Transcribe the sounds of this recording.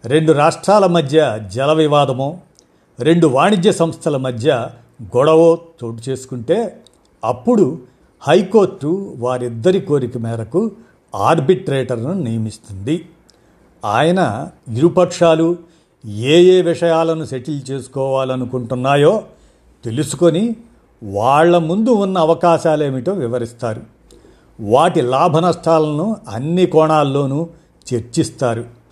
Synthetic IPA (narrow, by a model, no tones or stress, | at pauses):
ɾe̞ɳɖuɾaːʂʈɾaːlɐmɐd̪ʱjɐd͡ʒɛlɐʋiʋaːd̪ɐmoː | ɾe̞ɳɖuʋaːɳid͡ʒ̪jɐsɐmst̪ʰɐlɐmɐd̪ʱjɐ | ɡɔɽɐʋoːt̪oːʈit͡ʃe̞ːsu̥kuɳʈe̞ː | ɐpːuɽu | hɐjko̞ːɾʈːuʋaːɾid̪ːɐɾiko̞ːɾikɐmɛːɾɐku | aːɾbiʈɾeːʈɐɾnunijɐmist̪und̪i | aːjɐnɐiɾupɐkʂaːlu | eːjeːʋiʂɐjaːlɐnuʃeʈilt͡ʃe̞ːsu̥kɔːʋaːlɐnukuɳʈunːaːjo̞ː | t̪e̞lusu̥ko̞ni | ʋaːɭːɐmund̪uunːɐːʋɐkaːʃaːleːmiʈɐmʋiʋɐɾist̪aːɾu | ʋaːʈilaːbʱɐnɐsʈʰaːlɐnuɐnːikɔːɳaːlːo̞ːnu | t͡ʃe̞ɾt͡ʃist̪aːɾu